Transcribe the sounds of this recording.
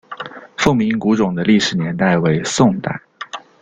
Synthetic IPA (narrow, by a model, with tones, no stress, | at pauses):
fʊ˥˩ŋmi˧˥ŋku˧˥ʈ͡ʂʊ˨˩ŋd̪ə˦li˥˩ʂɻ̩˨˩njɛ˧˥nt̪a˥˩ɪwe˧˥ɪsʊ˥˧ŋt̪a̰˥˩ɪ